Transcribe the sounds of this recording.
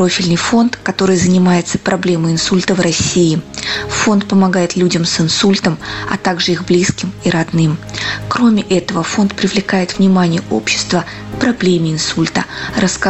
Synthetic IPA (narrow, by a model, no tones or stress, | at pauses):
o̞fʲɪlʲnɨjfo̞nt̪kɐt̪o̞ɾɨjzənʲɪmajɪt̪sə̥pɾʔɐblʲe̞məjɪnsulʲt̪əvrɐsʲːiːfo̞nt̪̚pəmɐɡajɪt̪lʲudʲəmsɨnsulʲt̪əmɐ̰t̪aɡʐɨixblʲiskʲɪmiɾɐd̪nɨmkɾo̞mʲɪʔɛt̪əvəfo̞nt̪pɾʲɪvlʲɪkajɪt̪vnʲɪmanʲɪjəʔo̞̰pɕːɪ̥st̪və | kpɾɐblʲemʲɪɪnsulʲt̪əɾʔɐsk